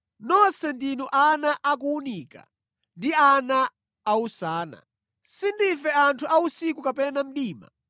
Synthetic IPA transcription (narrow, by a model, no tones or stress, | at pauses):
nɔsɛndinɔʔanaʔak̬uːnika̰ | ndiana | ausaːna̰ | sindifɛantʰuʔausikukapɛnam̩ɗiːma̰